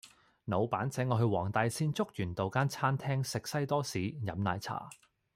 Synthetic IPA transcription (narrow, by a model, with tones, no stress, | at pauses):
no˨˧wpaː˨˥nt͡sɛː˨˥ŋɔː˨˧ɦɵ˧ɥwɔː˨˩ŋt̪ɐ˧jsiː˥nt͡sʊ˥k̚jyː˨˩nt̪o˨wkaː˥nt͡sʰaː˥nt̪ʰɛː˥ŋsɪ˨k̚sɐ˥jt̪ɔː˥siː˨˥jɐ˨mna̰ː˨˧jt͡sʰa̰ː˨˩